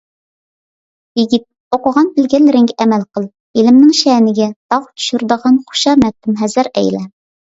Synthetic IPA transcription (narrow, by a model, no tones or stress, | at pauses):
jiɡʲit̪̚ | oqəʁɑnbɪlɡʲɛllːɪɾɪŋɡʲɛæmælqəlˠ | ilɪmnɪŋʃɛnɪɡʲɛt̪ɑwt̪ʰy̥ʃyɾd̪əʁɑnχu̥ʃɑmɛp̚t̪ːɪmɦæzɪɾɛ̰jlɛ